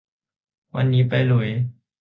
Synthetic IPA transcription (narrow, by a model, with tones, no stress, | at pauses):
wa̰˧nːiː˦˥pa˧jlu˩˦j